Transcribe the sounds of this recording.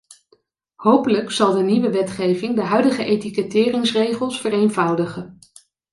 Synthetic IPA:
howpələksɑlˠdəniʋəʋɛtχejvɪŋdəɦœɥdəχəʔejtikətɪːrɪŋsrejχəlˠsfərejnvʌwdəχən

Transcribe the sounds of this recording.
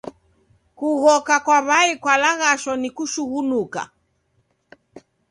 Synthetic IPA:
kuɣɔkakwaβaikwalaɣaʃɔnikuʃuɣunuka̰

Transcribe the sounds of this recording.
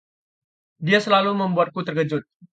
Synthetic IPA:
diasəlaluməmbuat̪̚kut̪ərɡəd͡ʒʊt̪̚

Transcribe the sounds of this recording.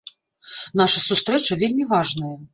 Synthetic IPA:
n̪aʂɐsust̪ɾɛt͡ʂɐvʲelʲmʲivaʐnɐjɐ

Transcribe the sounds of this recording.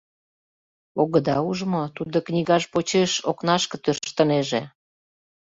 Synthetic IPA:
oɣəd̪ɑuʒmot̪ud̪oknʲiɣɑʃpot͡ɕeʃoknɑʃkə̆t̪ørʃt̪ə̆neʒe

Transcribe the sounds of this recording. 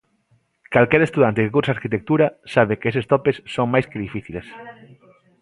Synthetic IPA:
kalkɛɾest̪uðant̪ekekuɾsaɾkit̪ek̚t̪uɾasaβekesest̪ɔpesːoŋmajskeðifiθiles

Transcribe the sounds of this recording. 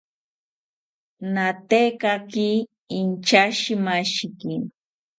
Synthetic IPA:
nat̪ekakiː | nt͡ʃaʃimaʃki

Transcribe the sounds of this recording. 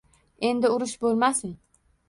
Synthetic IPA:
e̞nd̪ɪʊɾɪʃbolˠmasɪn

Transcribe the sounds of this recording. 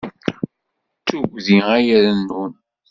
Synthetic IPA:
t͡sːuɡʷðiæjæɾənːun

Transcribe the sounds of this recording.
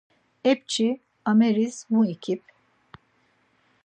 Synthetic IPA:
ɛp̚t͡ʃʰi | ameɾizmuicʰip̚

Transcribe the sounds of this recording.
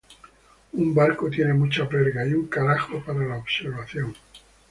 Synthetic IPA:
umbaɾkot̪jene̞mut͡ʃapeɾɣaiuŋkaɾaxopaɾalaoβseɾβaθjo̞ŋ

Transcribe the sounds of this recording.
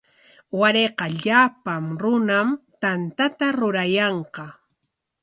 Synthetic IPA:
waɾeqɑʎapamɾʊnamt̪ant̪at̪aɾʊɾajɑɴqɑ

